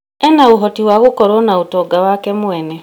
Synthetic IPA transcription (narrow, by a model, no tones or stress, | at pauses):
ɛnaoɦɔtiwaɣokɔɾɔnaotɔɡawakɛmwɛnɛ